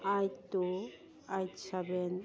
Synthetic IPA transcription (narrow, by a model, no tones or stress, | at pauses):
ajt̪o | ajtsʰaben